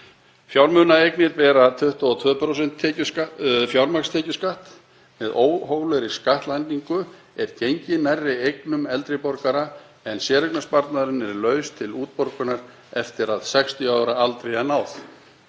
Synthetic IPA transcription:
fjawɾmʏːnaejknɪɾpɛːɾat̪ʰʏht̪aɔt̪ʰvœːpʰɾosɛn̥t̪ʰːɛcʏafjawɾmakst̪ʰɛːcʏskaht̪ | mɛðoːwɦoɣlœɾi̥skaht̪lajnt̪iŋkʏ | ɛɾ̥cejɲcɪnarːɪejknʏmɛlt̪ɾɪpɔɾkaɾa | ɛnsjɛːɾɛknaspaɾt̪naðɾʏnɛɾlœːɥst̪ʰɪluːt̪̚poɾkʏnaɾ̥ | ɛft̪ɪɾaðsɛkst̪ʰiaːwɾaalt̪ɾejanaːwθ

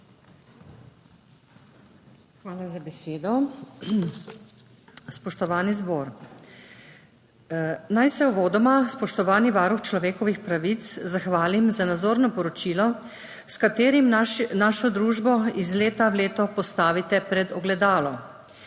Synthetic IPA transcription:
xʋaːlazabɛseːd̪ɔ | spɔʃt̪ɔʋaːnizboːɾ | najsɛuʋoːd̪ɔmaspɔʃt̪ɔʋaːniʋaːɾuxt͡ʃlɔʋeːkɔʋixpɾaʋit̪szaxʋaːlimzanad̪zoːɾnɔpɔɾɔt͡ʃilɔ | skat̪eːɾimnaːʃɔd̪ɾuːʒbɔizleːt̪awleːt̪ɔpɔst̪aːʋit̪ɛpɾɛd̪ɔɡlɛd̪aːlɔ

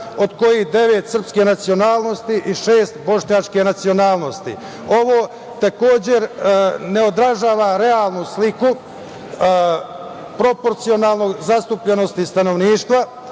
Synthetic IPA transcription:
o̞d̪ko̞jihd̪e̞ʋe̞t̪sr̩pskenat̪sio̞naːlˠno̞st̪iʔiʃeːst̪bo̞ʃɲat͡ʃkenat̪sio̞naːlˠno̞st̪ḭ | o̞ʋo̞ː | t̪ako̞ːd͡ʑe̞ɾne̞o̞d̪ɾaʒaːʋaɾe̞aːlˠnusliku | pɾo̞po̞ɾt̪sio̞naːlˠnoɡzast̪upʎeno̞st̪ist̪ano̞ʋniːʃt̪ʋa

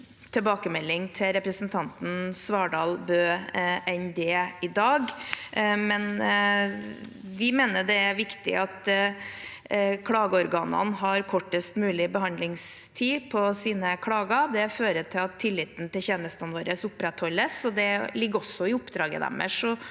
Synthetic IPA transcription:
t̪ʰɛlbɑːkəmɛlːɪŋt̪ʰɪɾɛpɾəsnt̪ʰɑnt̪n̩sʋɑːɖɑːlbøːɛnd̪ɛɪd̪ɑːɡ | mɛn | ʋɪmeːnəɖɛæɾʋɪkt̪ɪ̰ʔɑt̪ | kʰɽɑːɡəɔɾɡɑːnə̰nɦɑɾkʰɔʈːəst̪mʉːlɪbəɦɑnd̪lɪŋst̪ʰiːpʰɔsiːnəkʰɽɑːɡəd̪ɛføːɾət̪ʰɪlɑt̪ʰːɪlːɪt̪n̩t̪ɪlçeːnəst̪ɑnʋoːɾəsʊpːɾɛt̪hɔlːəsɔd̪ɛlɪɡːɔsːɔɪʊpːd̪ɾɑːɡə̰d̪ɛ̰mːə̰ʂɔ

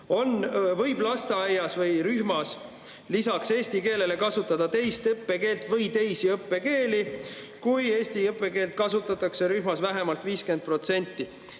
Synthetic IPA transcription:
o̞nvɤjblɑst̪eɑjɑsvɤjɾyhmɑs | lisɑkse̞ːsʲt̪ike̞ːle̞le̞kɑsut̪ːˑɑd̪̥ɑt̪e̞jst̪ɤpːe̞ke̞ːlt̪ˑvɤjt̪e̞jsiɤpːe̞ke̞ːli | kuje̞ːst̪iɤpːˑe̞ke̞ːlt̪̚kɑsut̪ːˑɑt̪ːˑɑkse̞ɾyɦmɑsvæɦe̞mɑlt̪viːske̞nd̪̚pro̞t̪se̞nʲt̪ːˑi

